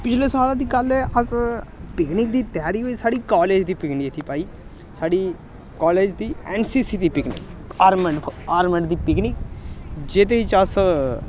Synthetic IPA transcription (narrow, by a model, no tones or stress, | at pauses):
pɪt͡ʃʰleːsaːlãːd̪iːkələspɪknɪkd̪iːt̪jaːɾiːɦoisaːɽiːkaːleːd͡ʒd̪iːpɪknɪkt̪ʰiːpaːiː | saːɽiː | kaːleːd͡ʒd̪iːɛːnsiːsiːt̪iːpɪknɪ̰kaːɾməɳaːɾmə̃ɳɖd̪iːpɪknɪkd͡ʒet̪et͡ʃəs